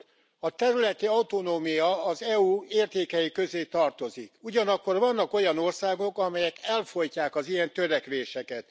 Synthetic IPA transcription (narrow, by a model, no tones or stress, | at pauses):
ɒt̪ɛɾylɛt̪iɒwt̪onoːmijɒːzɛuːeːrt̪eːkɛjikø̞zeːt̪ɒrt̪o̞zikuɟɒnɒkːo̞rvɒnːɒko̞jɒno̞rsaːɡo̞kɒmɛjɛkɛlfo̞jcaːkɒzijɛnt̪øɾɛkʋeːʃɛkɛt̪